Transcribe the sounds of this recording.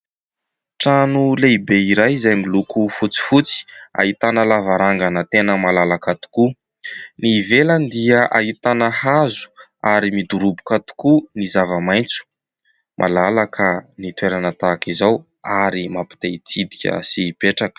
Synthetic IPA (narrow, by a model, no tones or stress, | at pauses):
ʈ͡ʂanuleibeiɾajzajmilukufut͡si̥fut͡si̥a̰ɦit̪anəlavaɾaŋɡanət̪enəmalalakat̪u̥ku | nivelənd̪iəʔaɦit̪anəhazu̥aɾimid̪uɾubu̥kat̪u̥kunizavəmajnt͡su̥ | mʔa̰lalakʰənit̪weɾanət̪akizaw | aɾimapi̥t̪ejt͡sid̪ikʲə̰sipeʈ͡ʂakə̥